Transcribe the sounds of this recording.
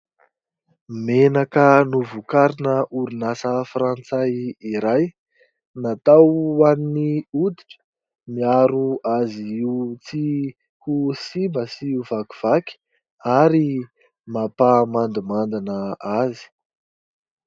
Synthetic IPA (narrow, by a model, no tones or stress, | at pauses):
menakənuvukaɾinəʔuɾinasəfɾant͡sajiɾaj | nat̪awaniniud̪iʈ͡ʂə̥ | miaɾuaziiut͡si | husimbəsiuvaku̥v̥akʲi̥ | aɾi | mapamand̪imand̪inəazi̥